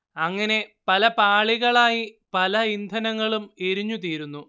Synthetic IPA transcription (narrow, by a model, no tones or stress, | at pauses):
ɐŋːɐne̞pɐlɐpaːɭiɣɐɭaːjipɐlɐind̪ʱɐnɐŋːɐɭumeɾiɲːut̪̬iːɾunːu